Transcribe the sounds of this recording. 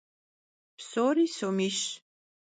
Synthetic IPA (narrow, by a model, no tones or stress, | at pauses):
psoːɾiːsomiʃ